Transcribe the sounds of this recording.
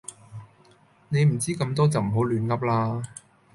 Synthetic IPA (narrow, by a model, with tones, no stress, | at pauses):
ne˨˧jm̩˨˩t͡siː˥kɐ˧mt̪ɔː˥t͡sɐ˨wm̩˨˩ɦo˨˥wlyː˨˥nlɐ˨˥p̚laː˧